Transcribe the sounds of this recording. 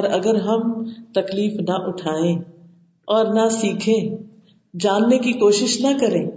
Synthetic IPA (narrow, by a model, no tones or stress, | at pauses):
ɾɐɡəɾɦɐmt̪ɐkliːfnɐʔʊʈʰaːẽː | ɔːɾnɐsiːkʰẽ | d͡ʒaːnːekikoːʃɪʃnɐkɐɾẽː